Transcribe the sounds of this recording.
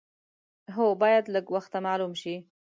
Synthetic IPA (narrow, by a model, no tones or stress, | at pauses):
ɦobɑjad̪ləɡwaxt̪amɑlumʃi